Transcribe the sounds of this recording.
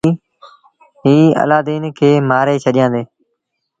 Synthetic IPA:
ɦiːə̰laːd̪eːnkʰeːmaːɾeːt͡ʃʰəɗɪjãːnd̪eː

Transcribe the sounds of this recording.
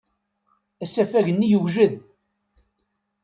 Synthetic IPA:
æsæfæʝənːijəwʒəð

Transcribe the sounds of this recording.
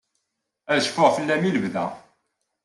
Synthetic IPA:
æðʃfʊʁfəlːæmiləvðæ̰

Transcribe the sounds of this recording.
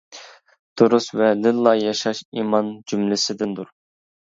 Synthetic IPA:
d̪̥uɾusvɛlɪllːˠɑjɑʃɑʃimɑnd͡ʒymlɪsɪd̪ɪnd̪uɾ

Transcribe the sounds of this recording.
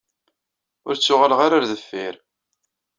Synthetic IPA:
ʊɾt͡sːʊʁələʁaɾaɾðəfːiɾ

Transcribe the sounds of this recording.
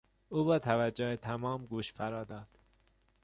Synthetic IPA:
ʔuːbɒːt̪ʰævæd͡ʒːohet̪ʰæmɒːmɡuːʃfæɾɒːd̪ɒːd̪̥

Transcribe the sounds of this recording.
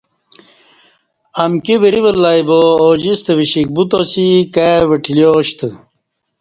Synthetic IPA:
ɐmkibiɾiʋɐlːaibood͡ʑist̪əʋiɕik̚but̪ot͡ɕikaʋɐʈʰiljoɕt̪ə

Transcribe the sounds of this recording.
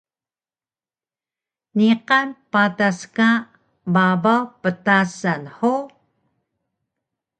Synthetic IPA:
niqɑnpataska | bavawpət̪asanħo

